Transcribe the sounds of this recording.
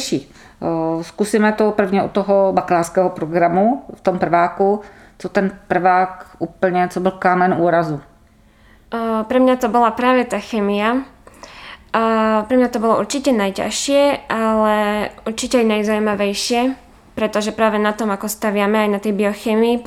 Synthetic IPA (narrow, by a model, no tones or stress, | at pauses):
ʃiː | skusiːmɛt̪opr̩vɲɛɔ̰t̪ːɔɦɔbaklaːɾskɛɦɔpɾɔɡɾamuft̪ompr̩vaːku | t͡sot̪ɛnpr̩vaːkuːpl̩ɲɛt͡sɔbɪlkaːmɛnuːɾazu | pɾɛmɲat̪ɔbɔlapɾaːʋɛt̪axɛːmia | pɾɛmɲat̪ɔbɔlɔʔṵɾt͡ʃicɛnajca̰ʃɪɛʔalɛuɾt͡ʃicɛajnajzaumaʋɛjʃɪɛ | pɾɛt̪ɔʒɛpɾaːʋɛnat̪ɔmakɔst̪aʋɪamɛajnat̪ɛjbiɔxɛːmii